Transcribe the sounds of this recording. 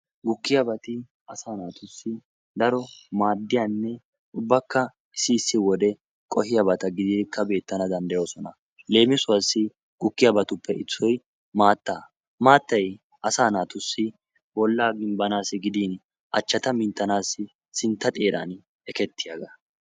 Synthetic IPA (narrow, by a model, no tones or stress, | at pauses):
ɡʊkːɪjɐbɐt̪ɪ | ɐsaːnaːt̪ʊsːɪ | d̪ɐɾɔmaːd̪ːɪjanːɛ | ʊbːɐkːɐ | ɪsɪːsːɪwɔd̪ɛ | kʼɔhɪjɐbɐt̪ɐɡɪd̪ikʰːɐbe̞ːt̪ːɐnɐd̪ɐnd̪ɐjo̞ːsɔnɐ | le̞ːmɪsʊwɐsːɪ | ɡ̥ʊkːɪjɐbɐt̪ʊpːɛʔɪt͡sːɔj | maːt̪ːaː | maːt̪ːɐj | ʔɐsaːnaːt̪ʊsːɪ | bɔlːaːɡɪmbɐnaːsɪɡɪd̪iːn | ʔɐt͡ʃːɐt̪ɐmɪnt̪ːɐnaːsɪ | sɪnt̪ːɐt̪ʼe̞ːɾa̰ːn | ɛkɛt̪ːɪjaːɡɐ